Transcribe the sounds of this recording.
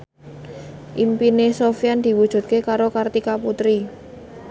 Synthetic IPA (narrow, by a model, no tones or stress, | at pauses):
ʔimpinesofijand̪̥i̤wud̥ʒ̥ṳt̪̚kekaɾokart̪ikaput̪ɾi